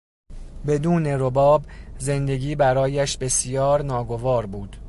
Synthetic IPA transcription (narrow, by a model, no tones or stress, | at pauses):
be̞d̪uːne̞ɾobɒːbze̞nd̪e̞ɡiːbæɾɒːjæʃbe̞sjɒːɾnɒːɡo̞vɒːɾbuːd̪̥